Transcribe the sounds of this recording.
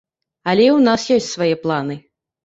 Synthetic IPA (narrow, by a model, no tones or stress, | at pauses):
ɐlʲɛiwnasjɔsʲt͡sʲsvajɛplˠanɨ